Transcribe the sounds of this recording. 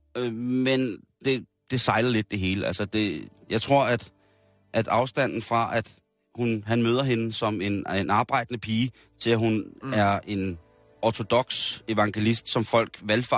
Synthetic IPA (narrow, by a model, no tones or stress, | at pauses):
ømend̥e̝d̥e̝sɑ̈ɪlɐle̝d̥̚ːe̝ɦe̝ːləʔæ̰lsəd̥e̝jɑ̈ɪt͡sʰʁo̝ɐ̰æd̥ | ʔæd̥ɑ̈ʊsd̥æn̰n̩fʁɑ̈ʔæd̥ | hunɦænmøːð̞ˠɐɦe̝nəsɒ̽me̝nenʔɑ̈ːb̥ɑ̈ɪ̰d̥ənəpʰiːə | t͡sʰe̝læɦunæɐe̝n | ɒt͡sʰo̝d̥ɒ̽ɡ̥se̝ʋɑ̈ŋɡ̥e̝lisd̥sɒ̽mfɒ̽l̰ɡ̥ʋelfɑ